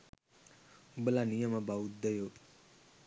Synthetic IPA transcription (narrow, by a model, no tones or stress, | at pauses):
bəlanijəmabaut̪̚d̪əjo